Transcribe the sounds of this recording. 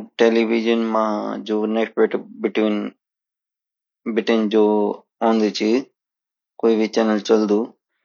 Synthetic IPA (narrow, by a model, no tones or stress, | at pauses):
ʈeːliʋid͡ʒənmãːd͡ʑoːneksʈbeʈbɪʈʋiːn | bɪʈɪnd͡ʑoː | õːnd̪it͡ʃʰi | koːibʱit͡ʃɛːnəlt͡ʃɐld̪uː